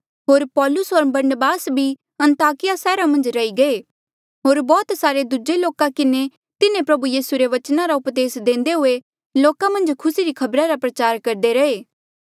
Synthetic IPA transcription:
ɦoːɾpɔːlʊsɦoːɾbɐɾnəbaːsbʱi | ɐ̃nt̪aːkɪjasɛːɾamɐ̃nd͡ʒɾɐiɡɐe | ɦoːɾbɔːt̪saːɾed̪ud͡ʒeloːkãkɪne | t̪ɪnẽpɾɐbujiːsuɾeʋɐt͡ʃnaɾaʊpd̪eːsd̪ẽːnd̪eɦʊe | loːkãmɐ̃nd͡ʒkʰʊsiɾikʰɐbɾaɾapɾɐt͡ʃaːɾkɐɾd̪eɾɐeː

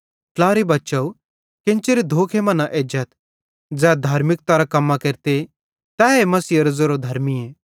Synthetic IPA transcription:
klaːɾibɐtːt͡ʃɐu | kɪ̃nt͡ʃeɾid̪ʱoːkʰemɐnaʔed͡ʒət̪ | d͡zɛːd̪ʱaːɾmɪk̚t̪aɾakɐmːakeɾt̪e | t̪ɛːɦemɐsiːɐɾɐd͡zoɾod̪ʱɐɾmieː

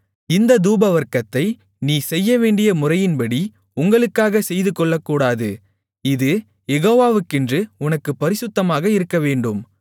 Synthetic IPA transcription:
ɪnd̪ɐd̪uːbɐʋɐɾkɐt̪ːɐɪ | niːsɛjːɐʋeːɳɖɪjɐmʊrɐjɪnbɐɽi | ʊŋɡɐɭɯkːaːɣɐsɛjðɯkːɔɭːɐkːuːɽaːðɯ | ɪðɯ | jɛɣoːʋaːʋɯkːɪndrɯʊnɐkːɯpːɐɾɪsɯt̪ːɐmaːɣɐɪɾɯkːɐʋeːɳɖɯm

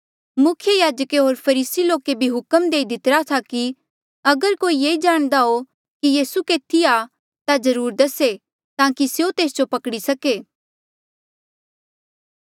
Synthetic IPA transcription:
mʊkʰjəjaːd͡ʒəkeɦoːɾpʰɐɾiːsiloːkebʱiɦʊkəmd̪eːid̪ɪt̪ɾat̪ʰaki | ɐɡəɾkoːijeːid͡ʒaːɽ̃d̪aɦo | kijiːsukeːt̪ʰia | t̪azɐɾuːɾd̪ɐse | t̪ãːkisjot̪eːsd͡ʒopɐkɽisɐkeː

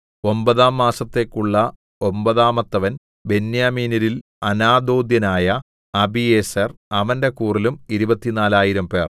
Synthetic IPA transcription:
o̞mbɐðaːmːaːsɐt̪ːe̞ːkːuɭːɐ | o̞mbɐðaːmɐt̪ːɐʋɐn | be̞njaːmiːnɐɾil | ɐnaːd̪oːd̪jɐnaːjɐ | ɐbiesɐrɐʋɐnde̞kuːrilumiɾubɐt̪ːinaːlaːjiɾɐmpe̞̰ːr

